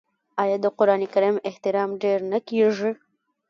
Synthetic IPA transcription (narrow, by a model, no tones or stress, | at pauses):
ɑjɑd̪əqʊɾɑnikaɾimɪht̪ɪɾɑmɖeɾnakeʐi